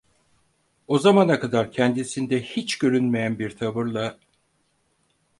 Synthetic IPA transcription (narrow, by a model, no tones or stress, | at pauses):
o̞zamanakʰad̪aɾcʰɛnd̪isind̪ɛhit͡ʃɟø̞ɾynmejænbiɾt̪ʰaβɯɾlˠa